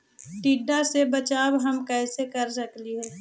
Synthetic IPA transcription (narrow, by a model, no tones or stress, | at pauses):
ʈiːɖasebɐt͡ʃaːwɦɐmkɛːsekɐɾs̬əkliɦɛː